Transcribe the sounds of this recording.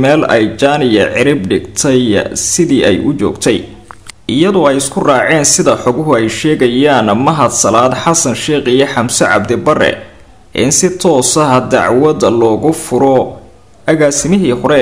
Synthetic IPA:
mɛːlɛjt͡ʃaːnɪjɐ̰ʕɪɾɪbɖɪɡt̪ʰɛjsɪðiːʔɛjʔʊt͡ʃɔ̰ːɡt̪ʰɛj | ʔɪjɐðɔːɛjɪskʰʊraːʕɛːnsɪðɐħɔɣʊɦʊɛjʃɛːɣɐjaːnmɐɦɐd̪sɐlaːd̪ħɑsɐnʃɛːqɪjɐħɑmsɛʕɑ̰b̚d̪ɪbɐrɛ̰ | ʔɪ̰nsɪt̪ʰɔːsɐɦɐd̪ɑ̰ʕwɐðlɔːɣʊfʊɾɔ | ʔɐɣaːsɪmɪɦiːhʊɾɛ

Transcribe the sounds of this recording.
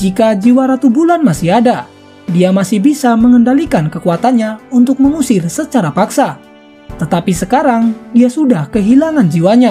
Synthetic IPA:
d͡ʒikad͡ʒiwaɾat̪ubulanmasɪɦada | diamasɪhbisaməŋəndalikankəkuat̪anɲaunt̪ʊk̚məŋusɪrsət͡ʃaɾapaksa | t̪ət̪apisəkaɾaŋdiasudahkəɦilaŋand͡ʒiwaɲa

